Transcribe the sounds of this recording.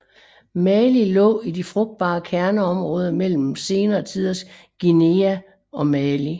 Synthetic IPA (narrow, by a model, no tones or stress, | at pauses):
mælilɔ̰̽ːidifʁɔ̽ɡ̥̚d̥̚b̥ɑ̈ːkʰæɐnəɒ̽mʁɔ̽ːð̞ˠɐmel̰m̩se̝ːnɐt͡sʰið̰ˠɐs | ɡ̥ine̝æ | ɒ̽mæli